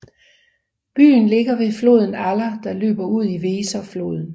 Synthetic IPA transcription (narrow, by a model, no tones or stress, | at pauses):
b̥y̰ːnle̝ɡ̥ɐʋe̝flo̝̰ð̞̰ˠn̩ælɐd̥ɑ̈lø̰ːb̥ɐuð̞̰ˠiʋe̝ːsɐflo̝̰ːð̞ˠn̩